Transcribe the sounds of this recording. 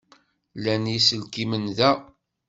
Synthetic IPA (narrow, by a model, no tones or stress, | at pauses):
lænjisəlkimənðæ